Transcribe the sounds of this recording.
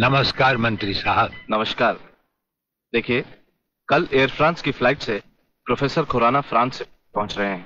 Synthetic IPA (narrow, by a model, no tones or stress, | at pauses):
nɐməskaːɾmɐ̃nt̪ɾisaɦəbnɐməʃkaːɾ | d̪eːkʰie | kɐleːəɾfɾãːnskiflaːɪʈse | pɾofʰeːsəɾkʰoɾaːnafɾãːnse | pɐɦʊ̃t͡ʃɾɐɦeẽɛ̃